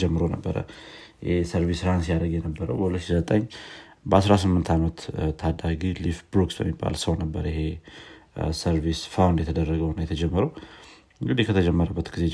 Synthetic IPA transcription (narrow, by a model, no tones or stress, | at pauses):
d͡ʒɛmːɨɾonəbːəɾə̰ | jɛ̰hesəɾvisɾansjad̪əɡjɛnəbːəɾəwbəhulət̪ːʃizət̪ʼəɲː | bəasɾasɨmːɨnt̪ʰamət̪t̪ʰːad̪aɡilifbɾuksbə̰mːibːa̰lsəwnəbːəɾəjɪɦe̞ | səɾvisfawnd̪jɛt̪ʰəd̪ərːəɡəwnajɛt̪ʰəd͡ʒɛmːəɾəw | ŋɡɨd̪ihkʰət̪ʰəd͡ʒɛmːəɾəbːət̪ɡize